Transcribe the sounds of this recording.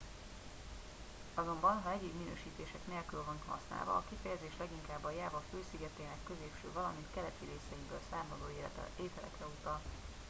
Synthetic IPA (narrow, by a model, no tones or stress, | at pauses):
ɒzo̞mbɒnɦɒɛɟibminø̰ːʃiːt̪eːʃɛkneːlkylvɒnhɒ̰sna̰ːlvɒ̰ːkifɛjɛzeːʃlɛɡiŋkaːbːɒjaːvɒføːsiɡɛt̪eːnɛkːøzeːpʃø̰ːvɒlɒmint̪kɛlɛt̪iɾeːsɛibøːlsaːmɒd̪oːeːt̪ɛlɛ̰krɛut̪ɒl